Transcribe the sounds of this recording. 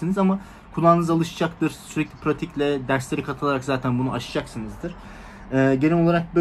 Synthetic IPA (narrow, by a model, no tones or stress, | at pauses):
ɯnɯzama | kʰulˠaːnɯzalˠɯʃd͡ʒakt̪ɯɾsyɾɛclʲipʰɾat̪ʰiclʲɛd̪æɾslʲe̞ɾikʰat̪ʰɯlˠaɾakzaːt̪ʰænbunuʔaʃɯ̥d͡ʒaksɯnɯzd̪ɯɾ̥ | ɛːɟeɾʲimo̞lˠaɾak̚bø